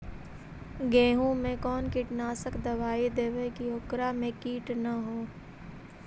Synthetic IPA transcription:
ɡɛ̃ːɦũmẽkɔːnkɪʈnaːsəkd̪ɐʋaːid̪eːʋekiɦʊkɾamẽkiːʈnaɦoː

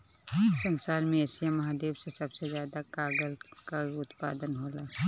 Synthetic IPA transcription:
sɐnsaːɾmẽeːsijamɐɦaːd̪eːbsesɐbsezjaːd̪akaːɡəlkaʊt̪pa̰ːd̪ənɦoːlaː

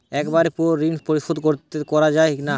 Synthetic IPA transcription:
ɛkbaɾpɔɾːinpoɾiʃod̪koɾt̪ekɔɾad͡ʑaeina

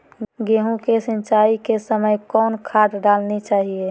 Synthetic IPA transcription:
ɡeːɦũkesə̃nt͡ʃaːikesəməjkɔːnkʰaːʈɖaːlnit͡ʃaːɦie

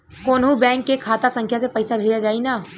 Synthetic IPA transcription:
koːnɦũbɛ̃ːŋkːekʰaːt̪asə̃ŋkʰjasepɐɪsabʱeːd͡ʒad͡ʒaːinaː

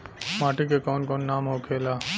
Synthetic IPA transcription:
maːʈikekɔːnkɔːnːaːmɦokʰeːlaː

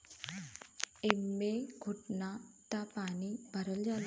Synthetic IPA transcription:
emːeɡʱuʈnat̪apaːnibʱɐɾɐld͡ʒaːl

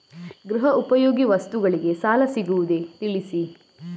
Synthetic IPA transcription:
ɡɾuɦɐupɐjoːɡiʋɐst̪uɡɐɭiɡe̞saːlɐsiɡuʋud̪e̞t̪iɭisi

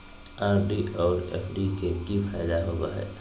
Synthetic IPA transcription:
aːɾɖiʔɔːɾɛ̰ːfɖikekifaːjd̪aɦoːɡa̰ɦɛ̰ː

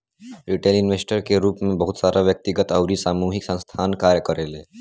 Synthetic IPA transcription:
ɾiʈelinʋesʈəɾkeɾuːpmebəɦut̪saɾʔaʋjək̚t̪iɡət̪əwɾiːsamuɦiksə̃st̪ʰankaɾjəkəɾele

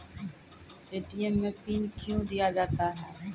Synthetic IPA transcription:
eːʈiemːẽːpiːnkjũd̪ɪjaːd͡ʒaːt̪aːɦɛː

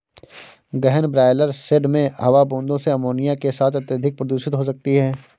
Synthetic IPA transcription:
ɡɛɦənbɾaːɪləɾsɪɖmẽɦɐʋabõːnd̪õseɐmoːnijakesaːt̪ʰɐt̪jəd̪ʱɪk̚pɾɐd̪uːʃɪt̪ɦos̬ɐk̚t̪iɦɛː

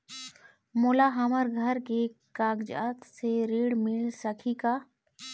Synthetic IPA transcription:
moːlaɦɐməɾɡʱəɾkekaːɡd͡ʒa̰ːt̪seɾiːɽmɪlsəkʰikaː

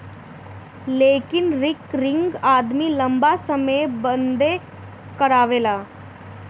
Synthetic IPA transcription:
leːkɪnɾɪkɾɪ̃ŋɡaːd̪milɐ̃mbasəməjbənd̪e | kəɾaːʋeːlaː

